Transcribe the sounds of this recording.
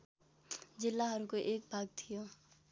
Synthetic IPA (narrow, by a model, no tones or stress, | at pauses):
d͡ʒɪlːaɦəɾkoʔeːk̚bʱaːɡ̚t̪ʰijoː